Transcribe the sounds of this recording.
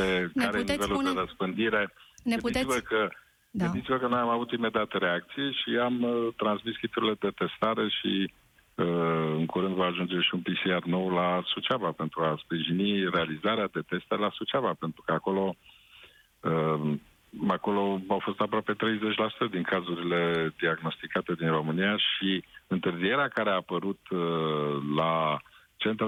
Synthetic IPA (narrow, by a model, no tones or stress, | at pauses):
ekaɾeenivelud̪eɾəspɨnd̪iɾe̞nɨnit̪sivəkə | ɡɨnd̪it̪sivəkənojamavut̪ime̞d̪eat̪əɾe̞ak̚t̪sijeʃiamt̪ɾansmiskipt̪uɾile̞d̪e̞t̪e̞st̪aɾe̞ʃi | əɨŋkuɾɨnd̪vaaʒund͡ʒe̞ʃiunpisiarno̞wlasut͡ʃavape̞nt̪ɾuaspɾiʒinire̞alizaɾead̪e̞t̪e̞st̪e̞lasut͡ʃavape̞nt̪ɾukəako̞lo̞ | ə | ako̞lo̞awfo̞st̪apɾoape̞t̪ɾe̞jze̞t͡ʃʲlasu̥t̪əd̪iŋkʰazuɾile̞d̪iaɡno̞st̪ikat̪e̞d̪inro̞mɨnijaʃiɨnt̪ɨrzije̞ɾeakaɾeaːpəɾut̪ | la | t͡ʃe̞nt̪ɾ